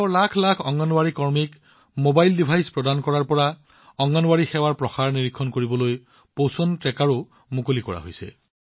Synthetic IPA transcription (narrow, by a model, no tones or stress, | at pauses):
ɔlakʰlakʰɔŋːɔnwaɹikɔɹmik | mobajldipʰajspɹɔdankɔɹaɹpɔɹa | ɔŋɡɔnwaɹixɛwaɹpɹɔxaɹniɹikʰːɔnkoɹibɔloj | powsɔntɹɛkaɹo | mukolikɔ̰ɹa̰ɦojsɛ̰